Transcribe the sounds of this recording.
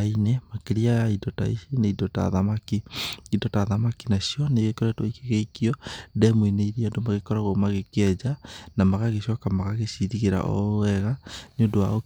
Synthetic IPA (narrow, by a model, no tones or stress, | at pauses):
ainemakeɾiaidɔta̰ḭineidɔta̰ðamakiidɔtaðamakinaʃjɔneɣekɔɾɛtwaikeɣeikiɔdɛmweneiɾiandomaɣekɔɾaɣomaɣekɛd͡ʒanamaɣaɣeʃwakamaɣaɣesiðiɣeɾa̰ʔɔ̰ɛɣanondoa̰o